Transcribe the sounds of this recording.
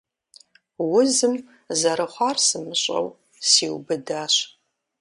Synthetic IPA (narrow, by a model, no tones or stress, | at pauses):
wʊzɨm | zɐɾɨχʷɑrsɨmɨɕʷʼɐ̰w | siːwbɨdaːɕ